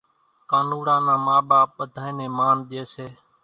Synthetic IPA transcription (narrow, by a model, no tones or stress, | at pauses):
kaːnuːɽãːnãːmaːɓaːp̚ɓəd̪ʱaːẽːneːmaːnɗ̪eːseː